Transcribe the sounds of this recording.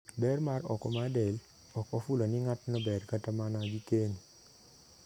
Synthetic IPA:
bɛrmaɾɔ̰kɔmadɛl | ɔkɔfuloniŋatnɔbɛrkatamanaɡikeɲ

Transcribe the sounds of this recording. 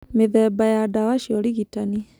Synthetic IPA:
meðɛbajadawaʃiɔɾiɣitani

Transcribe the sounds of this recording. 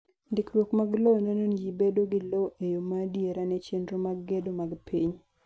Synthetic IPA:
ndɪkɾwokmaɡlonɛnonjibedoɡɪloʔejomadieɾanɛt͡ʃendɾomaɡːedomaɡpʰiɲ

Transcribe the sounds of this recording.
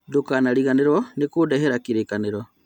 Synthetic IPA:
dokanaɾiɣaneɾwɔnekudɛhɛɾakiɾekaneɾɔ

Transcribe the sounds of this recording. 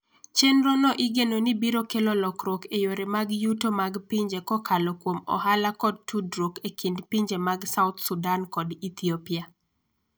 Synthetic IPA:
t͡ʃenɾonɔʔɪɡenonibiɾokelolɔkɾwokejoɾemaɡjutomaɡpiɲd͡ʒekɔkʰalɔkwomɔ̰ɦalakɔd̚tudɾokekindpiɲd͡ʒemaɡsaʊt̪sudankɔdit̪ʰiopia

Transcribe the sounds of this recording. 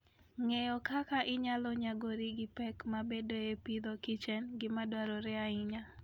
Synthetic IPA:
ŋɛjɔkakaʔɪɲalɔɲaɡoɾiɡɪpɛkmabedojepid̪okit͡ʃɛnɡɪmadwaɾɔɾɛaɪɲa

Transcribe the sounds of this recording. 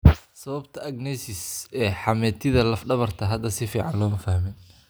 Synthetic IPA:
sɐβɐbt̪ʰɐɐɡnɛsɪsɛːħɑmɛːt̪ʰɪðɐlɐfɖɐβɐrt̪ʰɐɦɐd̪ːɐsɪfiːʕɑnlɔːmɐfɐhmɛjn

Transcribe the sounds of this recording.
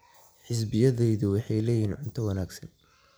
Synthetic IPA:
ħɪs̬bɪjɐðɛjðʊwɑħɑjlɛːjiːnʕʊnt̪ʰɐwɐnaːɡsɐn

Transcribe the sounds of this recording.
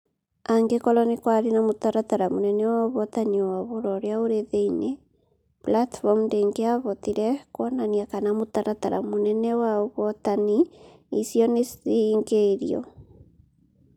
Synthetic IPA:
aŋɡekɔlɔnikwaɾinamot̪aɾat̪aɾamonɛnɛwaoβɔtaniwaβoɾɔɾeaoɾeðeine | blatfɔmndeŋɡeaβɔt̪iɾɛkwɔnaniakanamot̪aɾataɾa̰monɛnɛwaoβɔt̪aniisijɔnesiŋɡeɾijɔ̰

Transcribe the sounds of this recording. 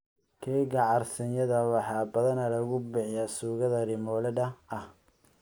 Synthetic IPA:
kʰɛːɡɐʕɑrsɐnjɐðɐwɑħɑːbɐðɐnɐlɐɣʊbɪʕjaːsuːɣɐðɐɾɪmɔːlɐdɐɐh

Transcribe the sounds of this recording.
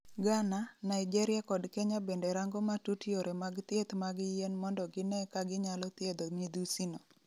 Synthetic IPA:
ɡananaid͡ʒɛɾɪakɔdkɛɲabendɛɾaŋɡɔmatutioɾɛmaɡt̪jet̪maɡjenmɔndɔɡɪnɛkaɡɪɲalɔt̪jed̪omid̪usino

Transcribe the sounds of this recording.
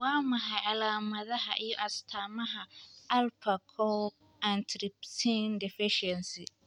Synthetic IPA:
waːmaɦaʔalaːmɐðaɦa̰ʔiʔastʰaːmɐɦaʔalpakʰɔ | ʔantɾɪp̚tʰɪndɪfɪʃɛnsi

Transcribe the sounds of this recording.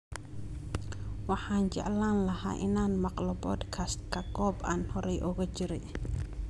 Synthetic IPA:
wɑħaːnd͡ʒɛ̰ʕlanlɐha̰ːʔɪ̰nanmɐqlɔbɔ̰d̪kʰast̪̚kɐɡɔba̰nhɔɾɛjʔɔɣɐt͡ʃɪɾɪ

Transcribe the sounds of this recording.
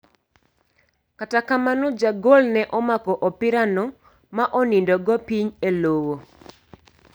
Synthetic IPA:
katakamanɔd͡ʒaɡolnɛʔɔmakɔʔɔpɪɾanɔ | maʔɔnɪndɔɡɔpiɲelowo

